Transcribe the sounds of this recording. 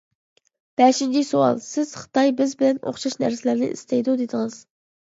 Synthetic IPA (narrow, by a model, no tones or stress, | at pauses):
b̥ɛʃint͡ʃʰisuɑ̰lˠsɪz̥χə̥t̪ʰɑjbɪzbɪlɛnʔo̰χʃɑʃnæ̰ɾsɪlæɾnɪ̰ʔḭst̪ʰɛjd̪ud̪ed̪ɪŋɨz̥